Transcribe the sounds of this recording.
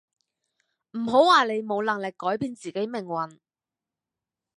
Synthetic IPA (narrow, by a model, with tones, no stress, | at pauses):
m̩˨˩ɦo˨˥waː˨le˨˧jmo˨˧wlɐ˨˩ŋlɪ˨kːɔː˨˥jpiː˧nt͡siː˨ke˨˥jmɪ˨˩ŋwɐ˨˩n